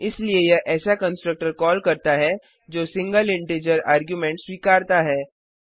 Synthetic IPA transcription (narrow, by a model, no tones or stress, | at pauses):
ɪsliejɐʔɛːsakɐ̃nsʈɾək̚ʈəɾkɔːlkɐɾt̪aɦɛ | d͡ʒoːsɪ̃ŋɡəlɪ̃ɳʈeːd͡ʒəɾaːɾɡjumẽɳʈswiːkaːɾt̪aɦɛː